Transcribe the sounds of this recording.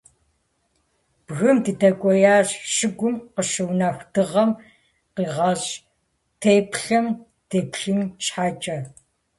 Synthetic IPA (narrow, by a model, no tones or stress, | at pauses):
b̥ɣɨmdɨdɐkʷʼɔjaːɕʃɨɡʷʊmqəʃɨwnaːxʷdɨʁɐm | qiːʁɐɕ | tʰeːpɬɐm | d̥eːpɬɨmt͡ʃʼħaːt͡ʃʼɐ